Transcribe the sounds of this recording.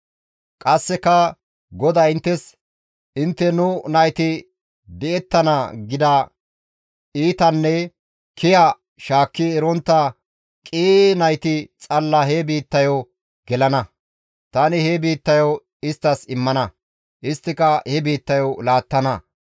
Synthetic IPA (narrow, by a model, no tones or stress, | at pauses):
kʼɐsːɛkɐ | ɡɔd̪ɐɪnt̪ːɛs | ɪnt̪ːɛnʊnɐjt̪ɪ | d̪ɛɛt̪ːɐnɐɡɪd̪ɐ | iːt̪ɐnːɛ | kʰɪjɐ | ʃaːkːɪɛɾɔnt̪ːɐ | kʼiːnɐjt̪ɪt͡sʼɐlːɐhebiːt̪ːɐjɔ | ɡɛlɐnɐ | t̪ɐnɪhebiːt̪ːɐjɔw | ɪst̪ːɐsɪmːɐnɐ | ʔɪst̪ːɪkɐhɛbiːt̪ːɐjɔwlaːt̪ːɐnɐ